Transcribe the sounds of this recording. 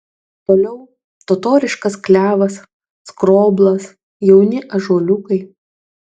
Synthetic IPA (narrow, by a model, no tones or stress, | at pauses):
t̪oːlʲɛʊ | t̪ot̪oːɾʲɪʃkɐsklʲæːʋɐs | skɾoːblˠɐs | jɛʊnʲɪʔɐʒuːlʲʊkɐɪ